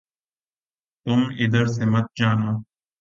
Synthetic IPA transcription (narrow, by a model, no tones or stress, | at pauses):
t̪ʊmɪd̪əɾsemɐt̪̚d͡ʒaːnaː